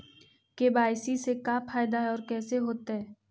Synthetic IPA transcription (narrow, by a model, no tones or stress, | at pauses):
kebaːɪsisekafʰaːjɪd̪aɦɛɔːɾkɛːseɦoːt̪aɦɛː